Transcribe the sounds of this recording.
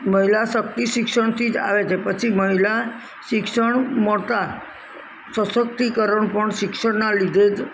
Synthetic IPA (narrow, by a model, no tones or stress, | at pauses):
məɦilaʃək̚t̪iʃɪkʃəɳt̪ʰid͡ʒa̰ʋet͡ʃʰepət͡ʃʰiməɦila | ʃɪkʂəɳmot̪a | səsək̚t̪ikəɾəɳpəɳʃɪkʃəɳnalid̪ʱed͡ʒ